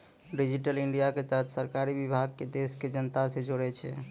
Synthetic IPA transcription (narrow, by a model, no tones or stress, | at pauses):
ɖid͡ʒiʈəliɳɖijaket̪əɦət̪ʰsəɾkaɾibibʱaɡ̚ked̪esked͡ʒənt̪asẽd͡ʒoɽɛt͡ʃʰɛ̰